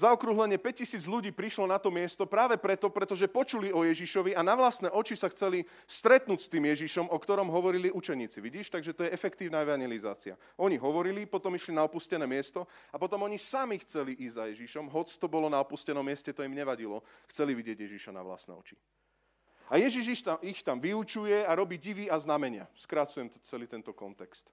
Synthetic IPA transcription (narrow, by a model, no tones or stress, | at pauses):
zaɔkɾuɦlɛɲɪɛpɛc̚cːisiːd͡zʎuɟiːpɾiʃlɔnat̪ɔmɪɛst̪ɔpɾaːʋɛpɾɛt̪ɔpɾɛt̪ɔʒɛpɔt͡ʃuliɔjɛʒiʃɔʋianaʋlast̪nɛːʔɔt͡ʃisaxt͡sɛli | st̪ɾɛt̪nuːcst̪iːmjɛʒiʃɔmɔkt̪ɔɾɔmɦɔʋɔɾiliut͡ʃɛɲiːt͡siʋiɟiːʃt̪aɡʒɛt̪ɔjɛɛfɛkt̪iːʊnaɛʋaɲjɛliza̰ːt͡sia̰ | ʔɔɲiɦɔʋɔɾilipɔt̪ɔmiʃlinaɔpuscɛnɛːmɪɛst̪ɔapɔt̪ɔmɔɲisamixt͡sɛliʔiɟzajɛʒiʃɔmɦɔt͡st̪ɔbɔlɔnaɔpuscɛnɔmːɪɛscɛt̪ɔimɲɛʋaɟilɔxt͡sɛliʋiɟɪɛɟjɛʒiʃana̰ʋla̰snɛ̰ːɔ̰t͡ʃi̥ | ajɛʒiʒiʃixt̪amʋiut͡ʃujɛaɾɔbiɟiʋiaznamɛɲɪa̰skɾat͡sujɛmt͡sɛlit̪ɛnt̪ɔkɔnt̪ɛkst̪